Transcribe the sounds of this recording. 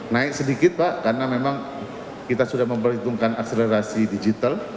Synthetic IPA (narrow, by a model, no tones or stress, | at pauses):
naɪk̚sədikɪt̪̚paʔkarnamemaŋ | kit̪asudahməmbərit̪uŋkanak̚seleɾasidid͡ʒit̪al